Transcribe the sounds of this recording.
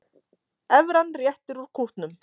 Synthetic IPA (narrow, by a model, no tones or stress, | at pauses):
ɛvɾanːrjɛht̪ɪɾuɾ̥kʰuht̪nʏm